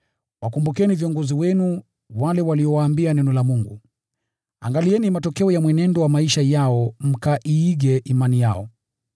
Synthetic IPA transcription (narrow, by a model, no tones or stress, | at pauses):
wakumbukɛniviɔŋɡɔziwɛnu | walɛwaliɔwaːmbianɛnɔlamuŋɡu | a̰ŋɡaliɛnimatɔkɛɔjamwɛnɛndɔwamaiʃajaɔm̩kaʔiːɡɛʔimanijaɔ̰